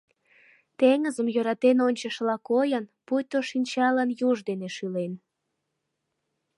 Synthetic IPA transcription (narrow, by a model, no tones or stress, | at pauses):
t̪eŋəzəmjøɾɑt̪enonʲt͡ɕəʃlɑkojənpujt̪oʃinʲt͡ɕɑlənjuʒd̪eneʃylen